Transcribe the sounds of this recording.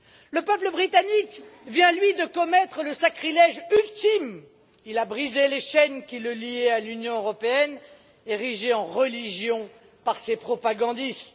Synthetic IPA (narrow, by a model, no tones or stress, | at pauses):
ləpœpləbʁit̪anikvjɛ̃lɥid̪əkɔmɛt̪χələsakχilɛʒylt̪im | ilabʁizeleʃɛnkʲiləliɛalynjɔ̃øʁɔpeɛn | eʁiʒeɑ̃ʁəliʒjɔ̃ | paʁsepχɔpaɡɑ̃d̪ist̪